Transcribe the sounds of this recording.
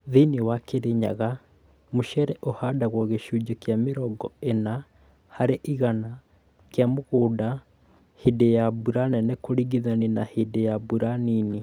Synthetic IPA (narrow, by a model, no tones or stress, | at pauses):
ðinewakeɾeɲa̰ɣa | moʃɛɾɛʔohadaɣwɔɣeʃuːd͡ʒɔkjameɾɔɡɔena | haɾeʔiɣana | kjamoɣoːda | hedejabuɾanɛnɛkoɾiɣiðanenahedejabuɾanini